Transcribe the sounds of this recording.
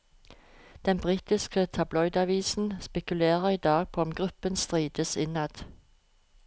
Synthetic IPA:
d̪̥ɛnbʁiːt̪ɪskət̪ʰɑblɔʏd̪ɑʋiːsn̩spɛkʉleːʁəʁiːd̪ɑːɡ̚pʰoːɔmɡʁʉpənst̪ʁiːd̪̥əsɪnɑd̪̥

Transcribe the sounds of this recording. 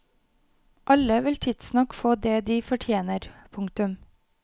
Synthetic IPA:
ʔɑləʋɪlt̪ʰɪd̪snɑkfoːd̪eːd̪iːfɔʈʰjeːnəɾpʰʊŋkt̪ʉm

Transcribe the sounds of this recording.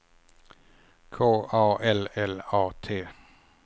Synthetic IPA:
kʰoːʔɑːɛlɛlɑːt̪ʰeː

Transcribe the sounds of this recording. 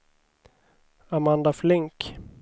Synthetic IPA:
amand̪aflɪŋk

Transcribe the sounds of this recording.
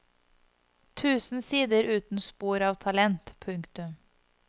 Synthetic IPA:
t̪ʰʉːsn̩siːd̪əɾʉːt̪n̩spuːɾɑːʋt̪ʰɑlɛnt̪pʰʉŋkt̪ʉm

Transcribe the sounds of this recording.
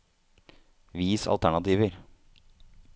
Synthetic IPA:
ʋiːsɑ̰lt̪ʰæɳɑt̪iːʋəɾ

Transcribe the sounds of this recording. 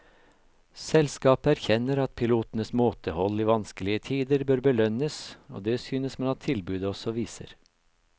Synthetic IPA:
sɛlskɑːpəæɾçɛnəɾɑt̪̚pʰɪluːt̪nəsmoːt̪əhɔlːiːʋɑnskəlɪət̪ʰiːd̪əɾbøːɾbəlœnəso̰ːd̪eːsyːnəsmɛɑt̪ʰːɪlbʉːd̪əɔsɔʋiːsə̰ɾ

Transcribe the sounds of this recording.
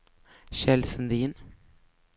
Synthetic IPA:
ʃɛlsənd̪iːn

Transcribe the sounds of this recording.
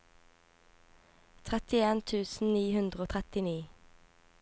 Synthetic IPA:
t̪ʰʁɛt̪ɪeːnt̪ʰʉːsn̩niːhʉnd̪ʁəoːt̪ʰʁɛt̪ɪniː

